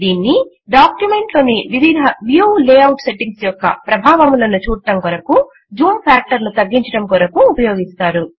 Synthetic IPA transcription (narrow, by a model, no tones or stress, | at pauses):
d̪iːnːi | ɖaːkjume̞ɳʈlo̞ːniʋiʋid̪ʱɐʋjuːleːɐwʈse̞ʈiŋɡsjɔkːɐ̰pɾɐbʱaːʋɐmlɐnut͡ʃuːɽɐʈɐmkuɾɐku | d͡ʒuːmpʰjaːk̚ʈɐɾnut̪ɐɡːiɲt͡ʃɐʈɐmkuɾɐkuːpɐjo̞ːɡist̪aːɾu